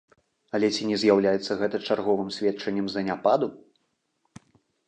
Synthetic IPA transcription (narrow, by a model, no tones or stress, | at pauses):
ɐlʲɛt͡sʲinʲɛzʲjawlʲajɛt̪sːɐɣɛt̪ɐt͡ʂarɣɔvɨmsʲvʲɛt̪t͡ʂɐnʲːɐmzɐnʲapad̪u